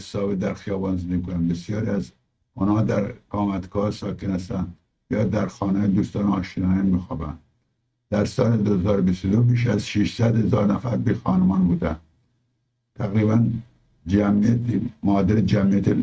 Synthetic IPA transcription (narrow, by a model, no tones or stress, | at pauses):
sɒːbed̪æɾxijɒːbɑːnzmikonænbesjɒːɾiæz | unhɑːd̪æɾkɑːmæt̪kʰɒːɾsɑːkenhæst̪ænd̪ | jɑːd̪æɾxɒːnejd̪uːst̪ɑːnɒːʃinɑːjɑnmiːxɒːbæ̰nd̪ | d̪̥æɾsɒːled̪ohezɒːɾobist̪od̪obiːʃæzʃiʃsæd̪hezɒːɾnæfæɾbixɑːnemɒːnbuːd̪æn | t̪ʰæɣɾiːbæn | d͡ʒæmijæt̪mɒːd̪eɾed͡ʒæmijæt̪ʰe